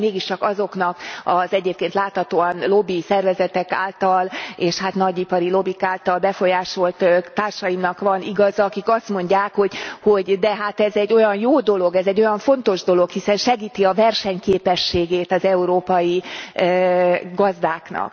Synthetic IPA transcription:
meːɡiʃt͡ʃɒkɒzo̞knɒkɒzɛɟeːp̚keːnt̪laːt̪hɒt̪oːɒnlo̞bisɛrvɛzɛt̪ɛka̰ːlt̪ɒleːʃhat̪nɒɟipɒɾilo̞bikaːlt̪ɒlbɛfo̞jaːʃo̞lt̪t̪aːrʃɒjimnɒkʋɒniɡɒzɒɒkikɒst̪mo̞ɲɟaːkho̞ɟho̞ɟd̪ɛɦat̪ɛzɛɟːo̞jɒnjoːd̪o̞lo̞ɡɛzɛɟːo̞jɒɱfo̞nt̪o̞ʒd̪o̞lo̞khisɛnʃɛɡiːt̪iɒvɛrʃɛɲkeːpɛʃːeːɡeːt̪ɒzɛuɾoːpɒji | ɡɒzd̪aːknɒ̰k

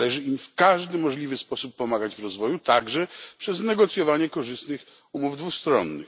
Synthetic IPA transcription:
ɛʐɘimfkaʐd̪ɘmɔʐlʲivɘspɔsupːɔmaɡad͡ʑvɾɔzvɔjut̪aɡʐɛpʂɛznɛɡɔt̪sʲjɔvaɲɛkɔʐɘst̪nɘx | umuvd̪vust̪ɾɔ̰nːɘ̰x

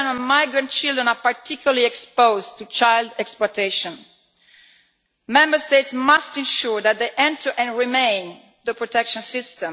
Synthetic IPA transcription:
nə̃nmajɡɹãnt̚t͡ʃild̪ɹɛ̃napaɹt̪ʰikʰjulaliɛkspoʊzt̪ut͡ʃajldɛksplɔteʃɔ̃n | mɛ̃mbəɹsteɪtsmastɛ̃nʃuɹðæt̪̚d̪eʔɛ̃ntʰə˞ʔɛ̃nɹimẽj̃n | ðəpɹɔt̪ɛkʃɔ̃nsɪstɛ̃m

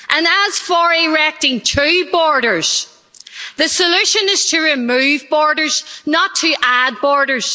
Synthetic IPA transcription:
ʔə̃nəz̥fə˞ɪɹɛk̚tɪ̃ŋtʰʉbɔɹɾə˞z̥ | ðɨsəlʉʃə̃nɪz̥tʰəɹɪmʉːvbɔɹɾə˞z̥nətʰəʔad̚bɔɹɾə˞z̥

